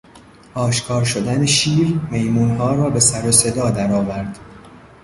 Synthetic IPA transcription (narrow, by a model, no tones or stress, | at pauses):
ʔɒːʃkʰɒːɾʃod̪æneʃiːɾme̞jmuːnɦɒːɾɒːbe̞sæɾose̞d̪ɒːd̪æɾɒːvæɾd̪̥